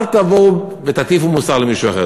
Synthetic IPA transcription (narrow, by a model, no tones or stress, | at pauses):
vt̪avoʊ | vet̪at̪ifumusaʁləmiʃuaχɛ̰